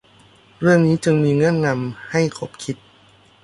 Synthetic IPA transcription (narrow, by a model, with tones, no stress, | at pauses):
ɾɯ˥˩əŋniː˦˥t͡ɕɯ˧ŋmiː˧ŋɤ˦˥˩nna˧mha˥˩jkʰo˦˥p̚kʰi˦˥t̪̚